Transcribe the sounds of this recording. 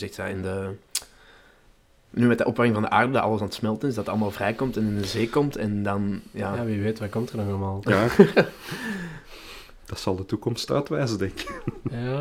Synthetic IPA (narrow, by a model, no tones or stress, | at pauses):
zɛxtjaːɪndə | nyːmɛtdəʔɔpwɛkɪŋvɑndəʔaːrdədɑtʔɑ̰lˠəsɑnətsmɛlˠtənɪsdɑtəɑləmaːlˠvrɛjkɔmtɛnɪndəzeːkɔmtɛndɑnjaːjaʋiʋeːtʋaːkɔmtərnɔxɑlˠəmaːlˠ | d̥ɑtsɑlˠdətukɔmsta̰ːtʋɛːzədɛŋka